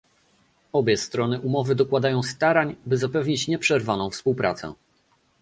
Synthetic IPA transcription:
ɔbʲjɛst̪ɾɔnɘʔumɔvɘd̪ɔkwad̪ajɔ̃w̃st̪aɾaɲbɘzapɛvɲit͡ɕɲɛpʂɛɾvanɔ̃w̃fspuwpɾa̰t̪sɛ̰̃

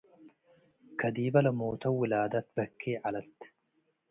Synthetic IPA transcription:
kʰɐd̪iːbɐlɐmoːt̪ʰɐwɪlaːd̪ɐt̪̚bɐkʰːeːʕalɐt̪ː

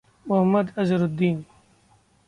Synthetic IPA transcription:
mʊɦɐmːɐd̪ɐzɾʊd̪ːiːn

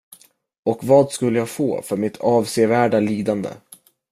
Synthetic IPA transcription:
ɔkvɑːd̪skɵlːəjaːɡfo̰ːfœɾmɪt̪ʰɑːvseːvæːɖaliːd̪and̪ə̰

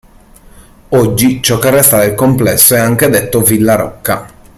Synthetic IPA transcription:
ɔd͡ʒːit͡ʃɔkːerːɛst̪ad̪elkomplɛsːoɛaŋk̟ed̪et̪ːovilːaɾɔ̰kːa̰

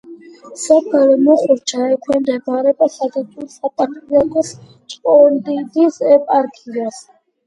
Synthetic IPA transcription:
sɔpʰɛɾɔmɔχuɾt͡ʃʰaɛkʰwɛnd̪ɛbaɾɛbasad̪at̪ʰuɾsat̪ʼapʰʼijakʰɔs | t͡ʃʼpʼɔnd̪id̪isɛpʼaɾkʰiɾas

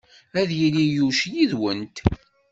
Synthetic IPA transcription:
æðjilijuʃjiðwənt̪

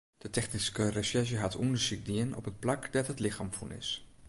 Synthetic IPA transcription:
d̥ətɛχniskərəʃɛʃəɦatʰundəsik̚diənɔ̰pɦət̚plakdatɦətlɪxa̰ːmfunɪ̰s

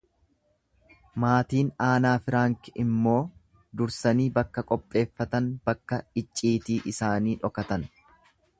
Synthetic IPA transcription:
maːt̪iːnaːnaːfɪɾaːŋkɪmːo̞ː | d̪ʊɾsɐniːbɐkːɐkʼɔpʼːe̞ːfːɐt̪ɐnbɐkːɐɪt͡ʃʼːiːt̪iːʔɪsaːniːᶑɔkɐt̪ɐn

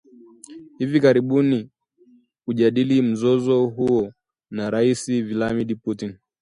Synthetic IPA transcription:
hivikaɾiɓuni | huʄaɗilim̩zɔzɔɦuɔ | naɾaisivilamiɗiputin

